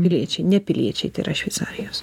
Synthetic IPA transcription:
pʲɪlʲiɛt͡ʃʲɛɪnʲɛpʲɪlʲiɛt͡ʃʲɛɪt̪ɐɪɪ̰ɾɐʃʲʋʲɛɪt̪saːɾʲɪjoːs

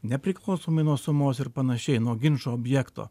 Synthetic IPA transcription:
nʲɛpʲɾʲɪklˠɐʊsoːmɐɪnuɔsʊmoːsɪɾpɐnɐʃʲɛɪnuɔɡʲɪnʃoːɔːbʲjɛkt̪o̰ː

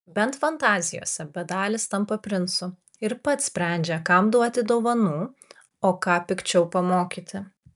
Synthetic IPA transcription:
bʲɛnt̪fɐnt̪ɑːzʲɪjo̰ːsʲɛbʲɛd̪ɑːlʲɪst̪ɐmpɐpʲɾʲɪnsʊ | ɪɾpɐt̪sʲpʲɾʲɛˑnʲd͡ʒʲɛkɐmd̪uɔt̪ʲɪd̪oːʋɐnuː | oːkɑːpʲɪkt͡ʃʲɛʊpɐmoːkʲiːt̪ʲɪ

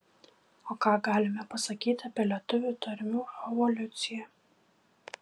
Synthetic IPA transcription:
oːkɑːɡɑːlʲɪmʲɛpɐsɐkʲiːt̪ʲɪɐpʲiɛlʲɛt̪ʊʋʲuːt̪ɐɾʲɪmʲuːɛʋɔlʲʊt̪sʲɪjɛ

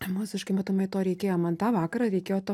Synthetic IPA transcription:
mʊsʲɪʃkɐɪmɐt̪ʊmɐɪt̪oːɾʲɛɪkʲeːjoːmɐnt̪ɑːʋɑːkɐɾɐɾʲɛɪkʲeːjoːt̪o

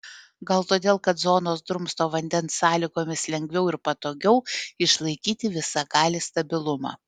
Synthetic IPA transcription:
ɡɐlˠt̪oːd̪ʲeːlˠkɐt̪zoːnoːsd̪ɾʊmst̪oːʋɐnʲd̪ʲɛnsːɑːlʲiːɡoːmʲɪslʲɛŋʲɡʲʋʲɛʊɪɾpɐt̪oːɡʲɛʊɪʃlˠɐɪkʲiːt̪ʲɪʋʲɪsɑɡɑːlʲɪst̪ɐbʲɪlˠʊmɑ̰ː

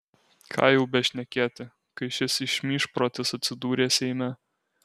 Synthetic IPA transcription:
kʰɑ̰ːjɛʊbʲɛʃʲnʲɛkʲeːt̪ʲɪ | kɐɪʃʲɪsɪʃʲmʲiːʃpɾoːt̪ʲɪsɐt̪ʲsʲɪd̪uːɾʲeːsʲɛɪmʲæ

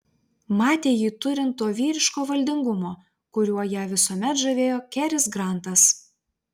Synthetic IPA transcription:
mɑːt̪ʲeːjiːt̪ʊɾʲɪnt̪ːoːʋʲiːɾʲɪʃkoːʋɐlʲd̪ʲɪŋɡʊmoː | kʊɾʲuɔjæːʋʲɪsuɔmʲɛt̪ʒɐʋʲeːjoːkʲæɾʲɪsɡɾɑˑnt̪ɐs

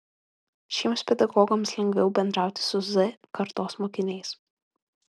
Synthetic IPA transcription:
ʃʲiɛmspʲɛd̪ɐɡɔːɡɔmslʲɛŋʲɡʲʋʲɛʊbʲɛnd̪ɾɑˑʊt̪ʲɪ̥sʊzɛkɐɾt̪oːsmoːkʲɪnʲɛɪs

